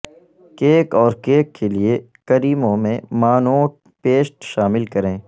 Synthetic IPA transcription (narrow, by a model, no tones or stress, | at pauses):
keːkɔːɾkeːkːelie | kɐɾiːmõmẽmaːnõ | peːsʈʃaːmɪlkɐɾẽː